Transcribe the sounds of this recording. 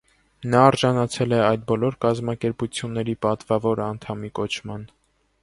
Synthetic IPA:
nɑːɾʒɑnɑt͡sʰɛlɛɑjd̪̚bɔlɔɾkɑzmɑkɛɾput͡sʰjunːɛɾipɑt̪vɑvɔɾɑnt̪ʰɑmikɔt͡ʃʰmɑn

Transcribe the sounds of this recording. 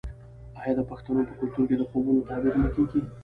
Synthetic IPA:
ɑjɑd̪əpaxt̪anopəkʊlt̪uɾked̪əxobunot̪ɑbiɾnəkeɡi

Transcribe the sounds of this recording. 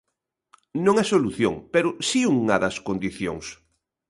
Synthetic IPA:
nõŋasoluθjoŋpeɾʊsiuŋɐðɐskond̪iθjo̰ŋs

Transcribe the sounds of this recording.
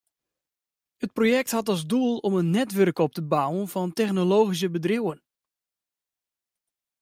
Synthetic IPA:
ət̚projɛk̚thatɑlˠszdulˠɔmənːɛtʋørkɔp̚təbawənvɔntɛxnoloːɣis̬əbədrɪwən

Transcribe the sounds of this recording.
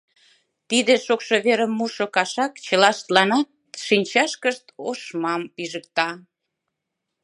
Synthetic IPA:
t̪id̪eʃokʃoβeɾəmːuʃokɑʃɑkt͡ɕə̆lɑʃt̪lɑnɑt̪̚ʃinʲt͡ɕɑʃkəʃt̪oʃmɑmpiʒək̚t̪ɑ

